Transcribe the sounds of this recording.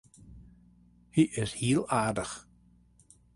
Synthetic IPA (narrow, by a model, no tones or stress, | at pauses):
hiʔɪshiəlˠaːrdəx